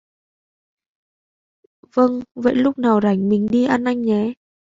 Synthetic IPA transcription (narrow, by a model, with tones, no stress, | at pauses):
və˧ŋvə̰˧˨jlʊ˦˥k͡p̚naː˨˩wza˧˩jŋmï˨˩ŋ̟ɗi˧ʔaː˧nʔa˧jŋ̟ɲɛ˨˦